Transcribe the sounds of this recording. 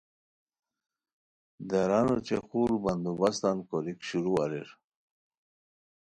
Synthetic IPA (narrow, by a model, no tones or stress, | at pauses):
d̪aɾanot͡ɕexulband̪ubast̪ankoɾikɕuɾuaɾeɾ